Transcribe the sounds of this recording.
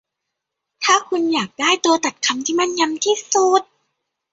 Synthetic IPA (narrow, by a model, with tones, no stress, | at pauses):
t̪ʰaː˥˩kʰu˧njaː˨˩k̚daː˥˩jt̪u˧ɐt̪a˨˩t̪̚kʰa˧mt̪ʰiː˥˩ma˥˩nɲa˧mt̪ʰiː˥˩su˨˩t̪̚